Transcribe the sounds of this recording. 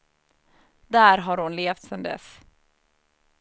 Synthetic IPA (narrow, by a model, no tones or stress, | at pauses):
d̪æːɾɦɑɾhʊnleːft̪sɛnd̪ɛ̰s